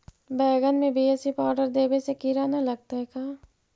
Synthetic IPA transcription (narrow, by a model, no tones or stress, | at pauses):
bɛːɡənmẽbʱieːsipɔːɾɖəɾd̪eːbesekɪɾaːnalɐɡ̚t̪aɦɛkaː